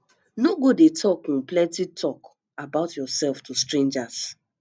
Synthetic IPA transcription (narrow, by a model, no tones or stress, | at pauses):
noɡodetʰɔk̩nplɛ̃ntitʰɔk | abaʊtjɔsɛlftʰustɹẽnd͡ʒas